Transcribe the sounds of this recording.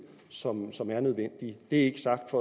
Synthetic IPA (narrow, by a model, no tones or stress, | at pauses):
sɒ̽msɒ̽mæɐnøð̞ˠʋen̰d̥id̥e̝æɐe̝ɡ̥əsɑ̈ɡ̥d̥fɒ̽